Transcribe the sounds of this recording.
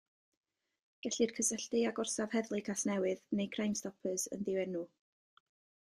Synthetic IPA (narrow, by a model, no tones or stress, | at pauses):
ɡ̥ɛɬɨrkʰəsəɬtɨaɡʊrsav̥hɛðlˠɨkʰasnɛwɨðnejkʰrajmstɔpʰəsə̰nðɪwɛnuː